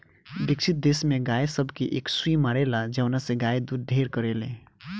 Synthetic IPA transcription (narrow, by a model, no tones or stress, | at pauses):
b̪ikt͡ʃʰit̪̚d̪esmeɡajsəbʱkeʔeksuimaɾelad͡ʒəʊnasẽɡaed̪uɾ̚d̪ʱeɾkəɾelḛ̃